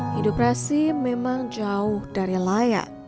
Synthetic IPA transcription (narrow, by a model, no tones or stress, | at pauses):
indokɾasimemaŋd͡ʒaʊhdaɾilaja̰